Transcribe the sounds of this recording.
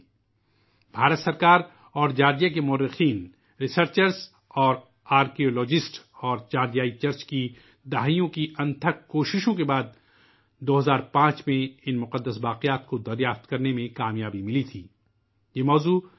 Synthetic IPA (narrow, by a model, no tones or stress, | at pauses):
bʱaːɾət̪sɐɾkaːɾ | ɔːɾd͡ʒaːɾd͡ʒijak̬emʊəɾːɪxiːn | ɾɪsəɾt͡ʃəɾz | ɔːɾ | aːɾkioːlɔːd͡ʒɪsʈɔːɾt͡ʃaːɾd͡ʒjaːit͡ʃɐɾt͡ʃki | d̪aːɦijõkiʔɐ̃nt̪ʰəkkoːʃɪʃõkebaːd̪̚ | d̪oːɦɐzaːɾpãːt͡ʃmẽɪnmʊqəd̪ːəsbaːqɪjaːt̪kod̪ɐɾjaːft̪kɐɾnemẽkaːmjaːbimɪlit̪ʰiː | jeːmɔːzuː